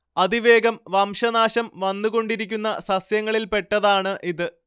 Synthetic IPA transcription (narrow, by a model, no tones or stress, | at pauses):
ɐd̪iʋeːɡɐmʋɐmʂɐnaːɕɐmʋɐnːuko̞ɳɖiɾikʲːunːɐsɐsjɐŋːɐɭilpe̞ʈːɐðaːɳɨʔiðɨ